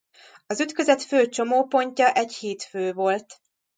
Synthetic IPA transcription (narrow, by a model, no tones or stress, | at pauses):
ɒzyt̪køzɛt̪føːt͡ʃo̞moːpo̞ɲcɒʔɛɟheːt̪føːvo̞lt̪